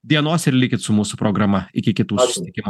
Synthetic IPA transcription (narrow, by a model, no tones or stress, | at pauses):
d̪ʲiɛnoːsɪɾlʲɪkʲɪt̪sʊmuːsʊpɾoːɡɾɐmɐɪkʲɪkʲɪt̪uːsʊsʲɪt̪ʲɪkʲɪmu